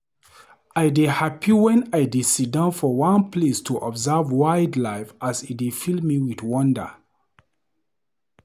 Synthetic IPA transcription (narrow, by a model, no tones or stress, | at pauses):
ajdihapʰiwɛ̃najdisidãnfɔwãnpʰlestʰuʔɔbzavwaɪdlaɪfasit̚difilmiwiθwɔ̃ndə̰